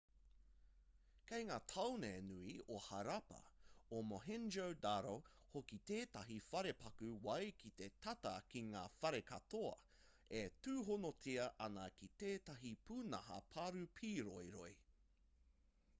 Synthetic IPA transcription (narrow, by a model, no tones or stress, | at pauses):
kejŋaːt̪ʰɐwneenʉiohɐɾɐpɐ̰omoɦɛnd͡ʒowdaɾo | hokit̪eːt̪ɐɦifɐɾepɐkʉwɐjkʰit̪etʰɐt̪ɐkiŋa̰ːfɐɾekɐt̪oɐ̰ | etʉːɦonotʰiɐʔɐnɐkit̪eːt̪ɐɦipʰuːnɐɦɐ̰pʰaɾʉpʰiːɾojɾo̰j